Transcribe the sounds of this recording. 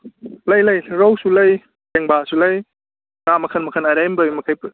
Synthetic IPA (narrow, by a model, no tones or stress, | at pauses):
lɐjlɐjɾowsulɐj | teŋbasulɐj | ŋamɐkʰɐnmɐkʰɐnajɾajmbɯjmɐkʰajp